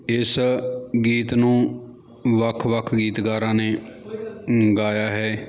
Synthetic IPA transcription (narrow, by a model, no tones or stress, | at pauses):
ɪsɡiːt̪nũː | ʋəkʰʋəkʰɡiːt̪ɡaːɾãːneː | ɡaːjaːɦɛː